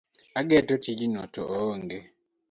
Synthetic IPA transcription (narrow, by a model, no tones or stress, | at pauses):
aɡɛtɔtʰid͡ʒinɔtɔ̰ʔoːŋɡe